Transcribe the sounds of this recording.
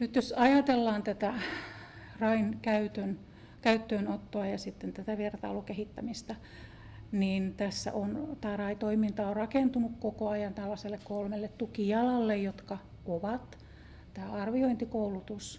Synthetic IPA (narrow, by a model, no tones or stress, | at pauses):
nyt̪josɑjɑt̪elːɑːnt̪æt̪æ | rɑinkæyt̪øn | kæyt̪ːøːnot̪ːoɑjɑsit̪ːent̪æt̪æʋiert̪ɑ̰ulukehit̪ːæmist̪ɑ | niːnt̪æsːæ̰ʔont̪æːrɑit̪oimint̪ɑorrɑkent̪unukkokoɑjɑnt̪ælːɑselːekkolmelːet̪t̪ukijɑlɑlːejjot̪kɑ | koʋɑt̪ | t̪æːɑrʋioint̪ikoulut̪us